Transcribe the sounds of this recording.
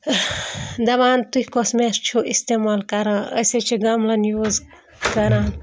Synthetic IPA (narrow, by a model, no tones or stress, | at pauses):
d̪ɐʋaːnt̪uhʲkosmest͡ʃʰoʔist̪emaːlkɐɾaːə̰set͡ʃʰiɡɐmlɐnjoːz | kɐɾaːn